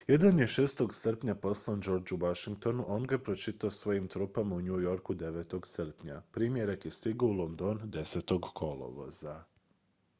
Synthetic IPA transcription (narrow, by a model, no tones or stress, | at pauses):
je̞d̪anje̞ʃeːst̪o̞ɡsr̩pɲapo̞slˠand͡ʒo̞ɾd͡ʒuʋaʃiŋk̚t̪o̞nuʔo̞ːnɡapɾot͡ʃit̪aosʋo̞jimt̪ɾuːpamauɲujo̞ɾkud̪e̞ʋet̪o̞ɡsr̩pɲa̰pɾiːmje̞ɾakjest̪iɡoulˠo̞nd̪o̞nd̪e̞set̪o̞ɡkʰo̞lˠo̰ʋo̰za